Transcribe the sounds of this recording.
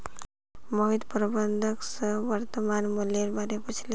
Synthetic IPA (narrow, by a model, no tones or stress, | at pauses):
mɔɦid̪pɾɔbənd̪ʱəksəʋəɾt̪əmanmuljeɾbaɾeput͡ʃʰle